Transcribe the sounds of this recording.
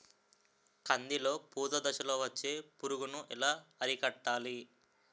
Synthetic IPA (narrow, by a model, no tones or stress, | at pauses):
kɐnd̪ilo̞ːpuːd̪od̪ɐʃɐlo̞ːʋɐt͡ʃːe̞ːpuɾuɡunuʔḭlaːɐɾikɐʈːaːli